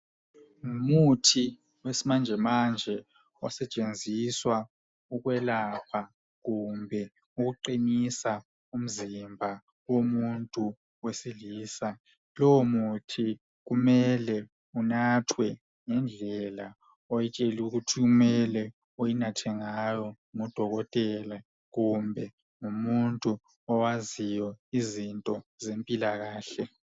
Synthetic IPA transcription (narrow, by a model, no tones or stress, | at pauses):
ŋumutʰi | wesimand͡ʒʱɛmand͡ʒʱɛ | ɔ̰sɛt͡ʃʼend͡zʱiswa | uɣwɛlapʰa | ɣumbʱɛ | uɣuǃinisa | um̩zimbʱa | womuntʼu | wesiliːsa | lɔmutʰi | ɣumɛlɛ | unatʰwɛ | ŋɛnd͡ɮʱɛla | ɔjɛt͡ʃʼeliuɣutʰiɣumɛlɛ | ojinatʰɛŋajɔ | ŋɔd̥ʱɔɣɔtʼɛla | ɣumbʱɛ | ŋumuntʼu | ɔwazijɔizintʼɔzempʼilaɣaːɬɛ